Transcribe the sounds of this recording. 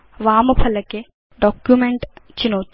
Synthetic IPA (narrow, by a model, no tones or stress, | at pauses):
ʋaːmpʰɐləke | ɖɔːkjumẽɳʈt͡ʃɪnoːt̪